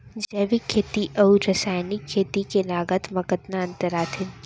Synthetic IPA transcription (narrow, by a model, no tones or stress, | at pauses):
d͡ʒɛːʋikʰːeːt̪iʔɐuɾɐsaːjnɪkʰːeːt̪ikelaːɡət̪mɐkət̪naɐ̃nt̪əɾaːt̪ʰɪn